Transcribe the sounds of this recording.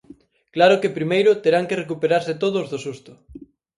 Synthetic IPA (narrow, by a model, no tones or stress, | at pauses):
klaɾʊkepɾimejɾʊt̪eɾaŋkerek̬upeɾaɾset̪oð̞ʊzðosust̪ʊ